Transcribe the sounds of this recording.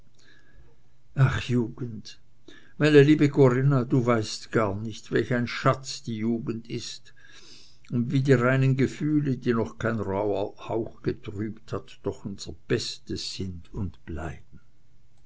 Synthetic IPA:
ʔaχjuːɡ̥ən̩t | maɪnəliːbəkʰoʁɪnaduːvaɪstɡ̥aɐnɪçtvɛlçaɪnʃat͡sd̥iːjuːɡn̩dɪst | ʊndviːdiːʁaɪnənɡəfyːlədiːnɔχkʰaɪnʁaʊɐhaʊxɡ̥ətʁ̥yːpthatd̥ɔχʊnz̥əb̥ɛstəz̥ɪndʊntb̥la̰ɪb̥̚n̩

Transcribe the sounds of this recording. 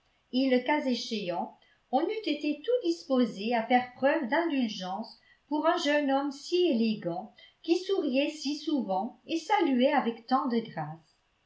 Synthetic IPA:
eləkazeʃeɑ̃ | ɔ̃nyt̪et̪et̪ud̪ispozeafɛʁpχœvd̪ɛ̃d̪ylʒɑ̃s | puʁɛ̃ʒœnɔmsieleɡɑ̃kʲisuʁjɛsisuvɑ̃esalyɛavɛkt̪ɑ̃d̪əɡʁaːs

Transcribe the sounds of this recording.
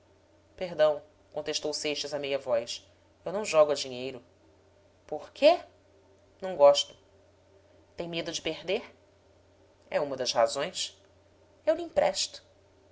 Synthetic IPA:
peɦd̪ɐ̃w̃ | kõnt̪eʃt̪owsejʃɐzɐmejɐvɔjs | ewnɐ̃w̃ʒɔɡʊɐd͡ʒiɲejɾʊ | poɾkʰe | nɐ̃w̃ɡɔʃt̪ʊ̥ | t̪ẽj̃med̪ʊd͡ʒɪpeɦd̪eɾ | ɛũmɐd̪ɐshazõj̃s | ewlĩpɾɛʃt̪ʊ̥

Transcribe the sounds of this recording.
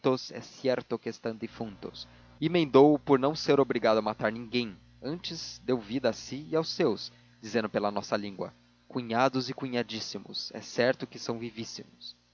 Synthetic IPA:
t̪ʊsɛ̰sɛɾt̪ʊkɪest̪ɐ̃d̪ɪfũnt̪ʊ̰s | ɪmẽnd̪owʊpoɾnɐ̃w̃seɾobɾiɡad̪ʊɐmat̪aɾnĩŋɡẽj̃ | ɐ̃nt͡ʃɪzd̪ewvid̪ɐasiɪawsːews | d͡ʒizẽnd̪ʊpelɐnɔsɐlĩŋɡwɐ̰ | kuɲad̪ʊzɪkuɲad͡ʒisimʊ̰sɛ̰sɛɾt̪ʊkɪsɐ̃w̃vivisimʊs

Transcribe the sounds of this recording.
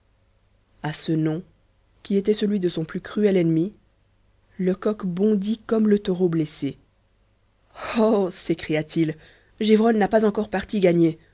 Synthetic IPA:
asənɔ̃ | kʲiet̪ɛsəlɥid̪əsɔ̃plykχyɛlɛnmi | ləkɔkbɔ̃d̪ikɔmlət̪ɔʁoblese | osekχijat̪il | ʒevʁɔnːapazɑ̃kɔʁpaʁt̪iɡaɲe

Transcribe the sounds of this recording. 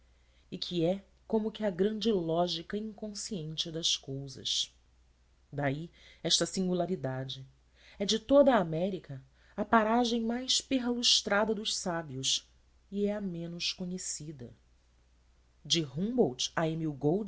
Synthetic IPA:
ɪkʰiɛ | kõmʊkɪɐɡɾɐ̃nd͡ʒɪlɔʒikɐĩŋkõsiẽnt͡ʃɪd̪ɐskowzɐ̰s | d̪aiɛʃt̪ɐsĩŋɡulaɾid̪ad͡ʒɪ | ɛd͡ʒɪt̪od̪ɐaːmɛɾikɐ | ɐpaɾaʒẽj̃majspeɦluʃt̪ɾad̪ɐd̪ʊʃsabiʊs | iɛɐmẽnʊʃkõɲesid̪ɐ̰ | d͡ʒɪɦũbowt͡ʃɐemiwɡowd͡ʒ

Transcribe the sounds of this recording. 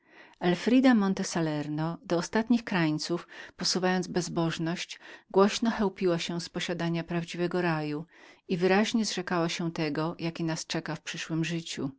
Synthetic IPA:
ɛlfɾid̪amɔnt̪ɛsalɛɾnɔd̪ɔːst̪at̪ɲixkɾajt̪sufpɔsuvajɔnd̪zbɛzbɔʐnɔɕt͡ɕɡwɔɕnɔxɛwpʲiwaɕɛ̃spɔɕad̪aɲapɾavd͡ʑivɛɡɔɾajuivɘɾaʑɲɛzʐɛkawaɕɛt̪ɛɡɔjʔakʲinast͡ʂɛkafpʂɘʂwɘmʐɘt͡ɕṵ

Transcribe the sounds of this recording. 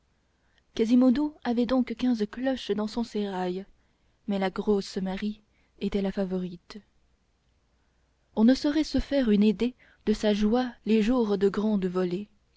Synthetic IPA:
kazimod̪oavɛd̪ɔ̃kkʲɛ̃zklɔʃd̪ɑ̃sɔ̃seʁaj | mɛlaɡʁosmaʁi | et̪ɛlafavɔʁit̪ | ɔ̃nəsɔʁɛsəfɛʁyned̪e | d̪əsaʒwaleʒuʁd̪əɡʁɑ̃d̪vɔle

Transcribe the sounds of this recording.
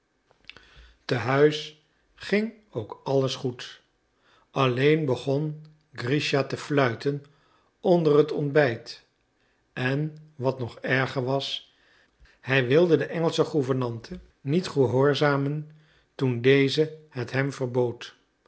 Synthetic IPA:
təɦœɥs | χɪŋ | owkɑləsχut | ɑlejnbəχɔn | ɡriʃatəflœɥtən | ɔndərətɔnbɛjt | ɛnʋɑtnɔχɛɹχəɹʋɑs | hɛjʋɪlˠdədəʔɛŋəlˠsəχuvəɹnɑntʰə | nitχəɦoːɹzaːmən | tundejzəhətɦɛmvərbowt

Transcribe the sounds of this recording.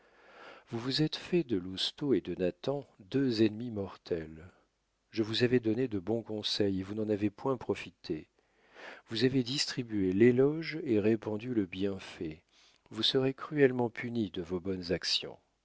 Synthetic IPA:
vuvuzɛt̪fɛd̪əlust̪oed̪ənat̪ɑ̃d̪øzɛnmimɔʁt̪ʰɛl | ʒəvuzavɛd̪ɔned̪əbɔ̃kɔ̃sɛjevunɑ̃navepwɛ̃pχɔfit̪ʰe | vuzaved̪ist̪χibyelelɔʒeʁepɑ̃d̪yləbjɛ̃fɛ | vusəʁekχyɛlmɑ̃pʰynid̪əvobɔnzaksjɔ̰̃

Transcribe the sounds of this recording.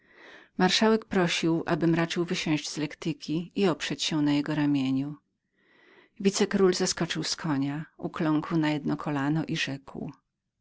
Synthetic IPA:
maɾʂawɛkpɾɔɕiwʔa̰bɘmɾat͡ʂɘwvɘɕɛ̃ʑd͡ʑz̥lɛkt̪ɘkʲiiɔpʂɛt͡ɕɕɛnajɛɡɔɾamʲjeɲu | vʲit̪sɛkɾulzaskɔt͡ʂɘwskʰɔɲaʔṵklɔŋkwnajɛd̪nɔkʰɔlanɔʔiʐɛkw

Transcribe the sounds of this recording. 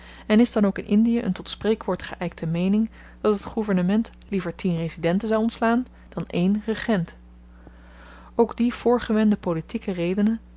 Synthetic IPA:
ɛnɪzdɑnowkɪnʔɪndijəʔə̰ntɔtsprejkʋʊːɹtχəʔɛjk̚tʰəmejnɪŋ | d̥ɑtɦətχuvəɹnəmɛnt | livəɹtʰinrezidɛntənzɑwɔntslaːn | d̥ɑnejnrəχɛnt | owɡdiv̥ʊːɹχəʋɛndəpolitikərejdənə

